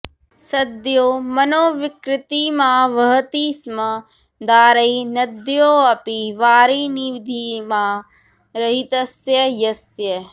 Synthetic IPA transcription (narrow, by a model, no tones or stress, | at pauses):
sɐd̪joːmɐnoːʋɪkɾɪt̪imãːʋɐɦɐt̪iːsmɐ | d̪aːɾɐinɐd̪joːɐpiʋaːɾiːniʋid̪ʱiːmãː | ɾɐɦit̪ɐsjɐjɐsjɐ